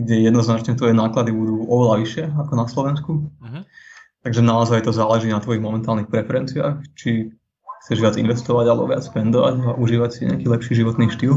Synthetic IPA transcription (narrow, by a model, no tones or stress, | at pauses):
ɡɟɛjɛd̪nɔznat͡ʃɲɛt̪ʋɔjɛnaːklad̪ibud̪uːɔʋɛlaʋiʃɪɛakɔnaslɔʋɛnsku | t̪aɡʒɛnaɔzajt̪ɔzaːlɛʒiːnat̪ʋɔjiɣmɔmɛnt̪aːlnixpɾɛfɛɾɛnt͡sia̰ːxt͡ʃi | xt͡sɛʒʋɪad͡zḭnʋɛst̪ɔʋaɟalɛ̰bɔ̰ʋɪa̰t͡spɛnd̪ɔʋa̰ɟaʔuʒiːʋacsiɲɛ̰akiːlɛpʃiːʒiʋɔt̪niːʃt̪iːl